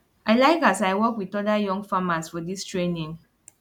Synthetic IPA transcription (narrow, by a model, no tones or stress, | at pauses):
aɪlaɪkasaɪwɔkwitɔdajɔ̃ŋɡfamasfɔdistɹenĩŋ